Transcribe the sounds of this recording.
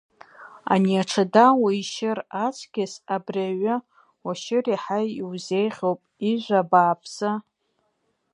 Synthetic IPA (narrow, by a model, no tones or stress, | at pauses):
a̰niaʈ͡ʂʰadawaiʃɪrat͡sʷʰɡʲɪsabriaɥa | waʃɪriħajiwzejχʲowpʼiʒʷabaːpʰsa